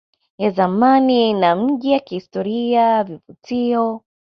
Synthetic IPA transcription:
jazamaninam̩ʄijakihistɔɾiavivutiɔ

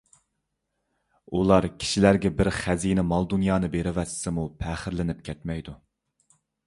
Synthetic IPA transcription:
ulˠɑɾkʲʰi̥ʃilæɾɡʲɛbɪɾχæzinɪmɑlˠd̪unjɑːnɨbeɾɪwɛssɪmupʰæːχɪɾlɪnɪp̚kʲʰɛt̪mɛjd̪u

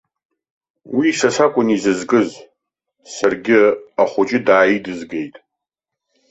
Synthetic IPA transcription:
wiːsasakʷʼʊnizɨzɡʼɨz | sarɡʲɪaχʷʊt͡ʃʼɪdaːjidɨzɡejtʼ

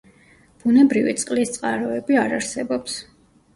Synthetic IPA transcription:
b̥unɛbɾivḭt̪sʼqʼlist̪sʼqʼaɾɔɛbiaɾaɾsɛbɔps

